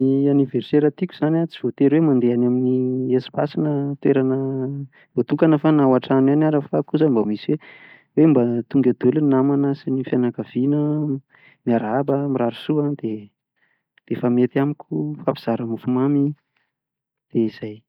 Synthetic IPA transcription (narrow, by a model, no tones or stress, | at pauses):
ianiverseɾət̪ikʲuz̥anat͡siv̥ot̪eɾwemand̪eanaminiesi̥basinət̪weɾanə | bot̪ukanəfanawaʈ͡ʂananaɾəfakuzambəmisiwe | wembat̪uŋɡad̪elunamanəsinifjanakavinə | niaɾabəmiɾaɾusuad̪̥e | d̪̥efamet̪iamikʲʰufapi̥z̥aɾəmufumami | d̪̥eiz̥aj